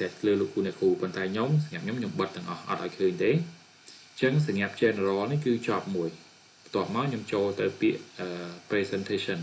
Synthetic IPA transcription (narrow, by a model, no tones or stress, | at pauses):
et̪ləːloːkʰːuːniəkʰuːpont̪aɛɲomsaŋeap̚ɲomɲomɓət̪ːɛ̆əŋʔɑhʔɑ̰t̪̚ʔaɔjkʰəːɲt̪eː | t͡ɕəŋs̬ɑŋeap̚t͡ɕɛːnrɔːlnihkɨːt͡ɕɑp̚muəj | pʰt̪ŏəp̚maɔɲomt͡ɕoːlt̪ɨwpiəʔʔəːprɛːsɛnt̪ʰeːsən